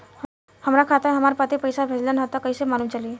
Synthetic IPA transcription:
həmɾakʰat̪aɦɛ̃ɦəmaːɾapət̪ipəjsabʱed͡ʒlenɦat̪akəisemaːlumt͡ʃəli

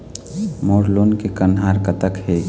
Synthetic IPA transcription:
moːɾloːnkekənɦaːɾkət̪əkɦeː

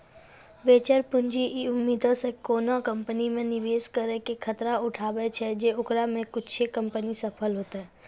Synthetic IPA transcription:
beːt͡ʃəɾpʊ̃nd͡ʒiʔiʊmːiːd̪õsekoːnõkə̃mpənimẽnɪʋeːskəɾekekʰət̪ɾaʊʈʰaːbet͡ʃʰɛd͡ʒeʊkɾamẽkʊt͡ʃʰekə̃mpənisɐpʰəlɦoːt̪aɦɛ

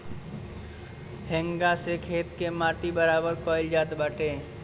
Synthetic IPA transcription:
ɦɛ̃ŋɡãsekʰeːt̪kemaːʈibəɾaːbəɾkɔːɪld͡ʒaːt̪baːʈẽː

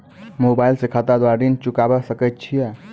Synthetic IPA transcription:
mobailsekʰət̪ad̪aɾd̪int͡ʃukabɛsəkət̪̚t͡ʃʰijɛ

